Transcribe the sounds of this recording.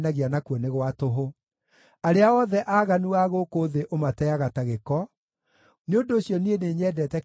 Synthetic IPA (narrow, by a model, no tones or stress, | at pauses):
naɣianakuɔneɣwatoɦo | aɾeaɔðɛʔaːɣanuaɣokoːðeʔomatɛaɣataɣekɔ | neondoːɕjɔnieneɲɛːdɛtɛ